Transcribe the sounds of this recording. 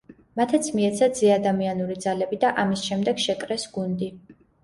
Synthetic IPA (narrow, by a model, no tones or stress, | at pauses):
mat̪ʰat̪sʰmiɛt̪sʰad̪z̥iad̪amianuɾid̪zalɛbid̪aʔamisʃɛmd̪ɛɡ̥ʃɛkʼɾɛsɡund̪i